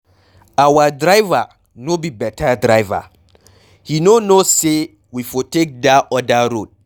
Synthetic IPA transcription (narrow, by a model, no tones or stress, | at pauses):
awadɹaɪva | nobibɛtʰadɹaɪva̰ | hinonose | wifɔtek̚daɔdaɾod̚